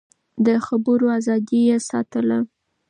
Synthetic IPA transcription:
d̪əxabəɾoazɑd̪ijesɑ̰t̪əla

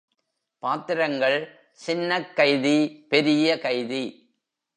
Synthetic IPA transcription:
paːt̪ɪɾɐŋɡɐɭ | sɪnːɐkːɐɪðipɛɾɪjɐkɐɪði

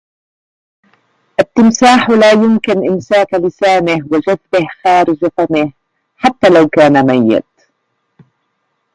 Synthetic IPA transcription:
ʔat̪ːɪmsaːħlaːjʊmkɪnʔɪmsaːklɪsaːnɪhwad͡ʒaðbɪhxaːɾɪd͡ʒafamɪh | ħat̪ːaːlawkaːnamajːɪ̰d̪

